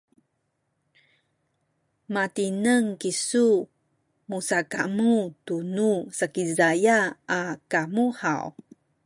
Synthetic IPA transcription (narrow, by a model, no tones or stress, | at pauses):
matinəŋkisu | musakamutunusakizajaːkamuħa̰w